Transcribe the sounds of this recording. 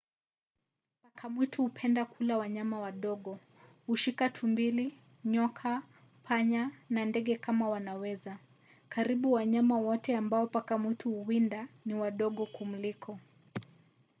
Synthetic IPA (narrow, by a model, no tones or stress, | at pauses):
pakʰamwitʰuhupʰɛndakulawaɲamawaɗɔɠɔ | huʃikatʰumbili | ɲɔkʰa | pʰaɲanandɛɠɛkʰamawanawɛza | kaɾiɓuwaɲamawɔtɛambaɔpakamwituhuwindaniwaɗɔɠɔkum̩likʰɔ